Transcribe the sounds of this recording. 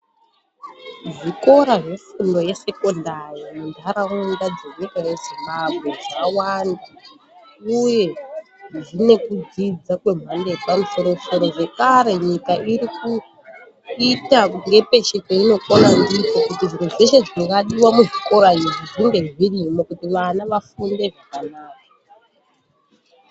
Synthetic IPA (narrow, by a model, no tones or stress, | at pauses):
ʐiko̞ɾaʐefundo̞jese̞ko̞ndarimundʱaɾaundad͡ze̞ɲikaje̞zimbabʱɣe̞ʐawanda | uje̞ | ʐine̞kud͡zid͡zakwe̞m̤andepamuso̞ɾo̞so̞ɾo̞ʐe̞kaɾe̞ɲikaʔiɾiku | itaŋɡe̞pe̞ʃekoino̞konandit͡sokutiʐinuʐeʃe̞ʐiikaɗiwamuʐiko̞ɾaiʐiʐinde̞ʐirimokutiʋanaʋafunde̞ʐikanaːka